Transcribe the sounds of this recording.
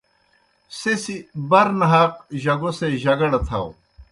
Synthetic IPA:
sesibɐɾnɐɦaːqʑɐɡoseʑɐɡɐɽɐt̪ʰɐ̰w

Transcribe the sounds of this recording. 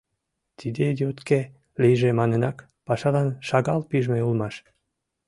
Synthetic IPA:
t̪id̪ed̪eot̪ke | lijʒemɑnenɑk | pɑʃɑlɑnʃɑɣɑlpiʒmeulmɑʃ

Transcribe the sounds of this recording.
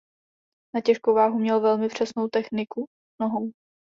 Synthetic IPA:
nacɛʃkowvaːɦumɲɛlvɛlmɪpr̝̥ɛsnowt̪ɛxnɪku | noɦow

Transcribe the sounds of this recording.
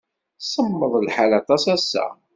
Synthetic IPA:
səmːəðˤlħalɑt̪ˤɑsæsːæ̰

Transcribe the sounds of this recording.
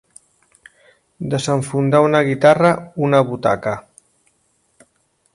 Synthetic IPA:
d̪əzəɱfund̪aunəɣit̪arəunəβut̪a̰kə

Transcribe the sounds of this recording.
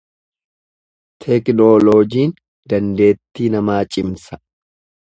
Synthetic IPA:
t̪ʰɛknoːloːd͡ʒiːn | d̪̥ɐnd̪e̞ːt̪ːiːnɐmaːt͡ʃʼɪmsɐ̥

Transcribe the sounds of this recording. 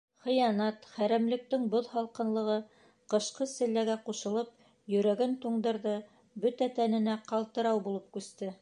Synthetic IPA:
χɤ̆jɑnɑt̪χæɾæmlɘ̆k̚t̪ɘŋboðhɑlˠqɤ̆nlˠɤ̆ʁɤ | qɤ̆ʃqɤsɘ̆lːæɡæquʃɤ̆lˠɤp̚ | jɵ̆ɾæɡɘnt̪uɴd̪ɤ̆ɾðɤ | bɵt̪æt̪ænɘ̆næqɑlˠt̪ɤ̆ɾɑwbulˠɤp̚kʉst̪ɘ

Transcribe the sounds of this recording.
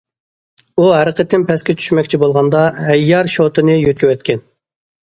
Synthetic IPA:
uɦæɾəqʰət̪ːɪnpʰɛskʲɛt͡ʃʰy̥ʃmɛkʲt͡ʃʰibolˠʁɑnd̪ɑɦɛjːɑɾʃot̪ʰɨnɨjøt̪̚kʲywɛt̪kʲɛn

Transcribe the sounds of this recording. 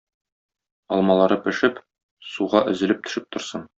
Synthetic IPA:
ɒlˠmɑlˠɑɾɤpɘ̆ʃɘp | suʁɑʔɘ̆zɘ̆lɘp̚t̪ɵ̥̆ʃɘp̚t̪ŏɾsɤn

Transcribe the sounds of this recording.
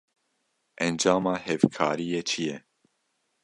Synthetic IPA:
ʔɛnd͡ʒaːmɑːhɛvkʰaːɾijeːt͡ʃʰijɛ

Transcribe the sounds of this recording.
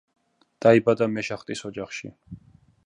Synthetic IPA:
d̪̥aibad̪amɛʃaχt̪ʼisɔd͡ʒaχʃḭ

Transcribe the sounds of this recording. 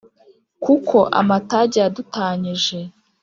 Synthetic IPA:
kukʰo̞ʔa̰mataɟijadutaːɲiʒe

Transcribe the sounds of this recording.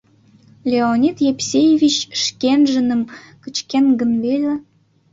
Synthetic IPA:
lʲeonʲit̪jepsʲejevʲit͡ɕʃkenʒə̆nə̆m | kət͡ɕkenɡə̆nvelʲĕ

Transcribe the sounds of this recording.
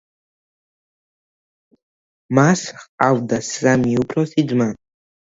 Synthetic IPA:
masχawdasamiupʰrosid͡zma

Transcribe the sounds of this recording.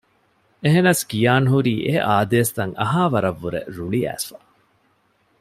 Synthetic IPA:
eɦenɐskijaːnɦuɾiːʔeʔaːd̪eːsd̪ɐŋɐɦaːʋɐɾɐʋːuɾḛɾuɭiæ̰ːsfa

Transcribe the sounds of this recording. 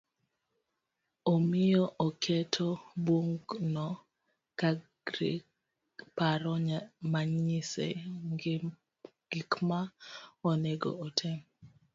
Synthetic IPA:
omɪjɔʔɔkʰɛtʰoboŋɡnɔ | ka | ɾɪ | paɾɔɲmaɲisɛ̰ŋɡ | ɡ̥ikmaɔnɛɡɔ̰ːtʰɛm

